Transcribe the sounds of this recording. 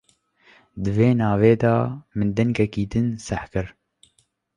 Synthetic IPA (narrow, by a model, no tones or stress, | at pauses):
d̪ɨveːnɑːveːd̪ɑːmɨnd̪ɛŋɡɛkiːd̪ɨnsɛħkɨɾ